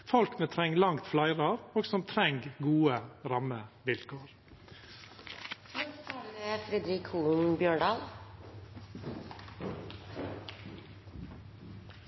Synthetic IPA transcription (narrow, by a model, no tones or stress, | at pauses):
fɔlkmɛːt̪ʰɾɛŋlɑŋt̪flɑɪɾɑɾoːɡsɔmt̪ʰɾɛŋɡɡuːəɾɑməʋɪlkʰoːɾ | t̪ɑləfɾɛd̪ɾiːkʰuːnbjøːɖɑːl